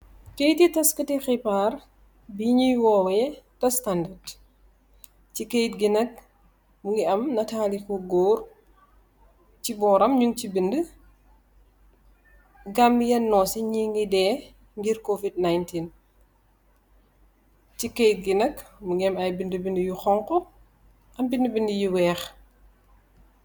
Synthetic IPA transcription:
kejtitɐskətixipar | biɲujwɔwɐjɛtɐstandɐrd | cikejtɡinɐk̚ | muŋɡiɐmnɐtaːlikɔɡoːr | cibɔːɾɐmɲuŋcibində | ɡamːjɛnːɔːsɛɲiŋɡidɛː | ŋɡiɾkovid̚najntin | cikejt̚ɡinɐkmuŋɡiɐmɐjbindəbindəjuxɔŋkɔ | ʔɐmbindəbindəjuwɛːx

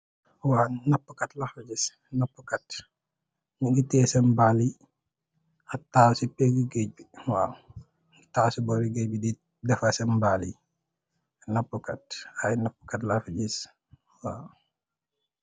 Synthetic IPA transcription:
waːnɐpːəkɐtlafɐɟis | nɐpːəkɐt | ɲuɡitɛːsɐmbali | ɐtːaːsipɛɡiɡəc̚biwaː | ɡitaːsubɔɾiɡəbidi | dɛfɐsɐmbalḭ | nɐpːəkɐt̚ɐjnɐpːə̥kɐtlɐfɐɟis | waː

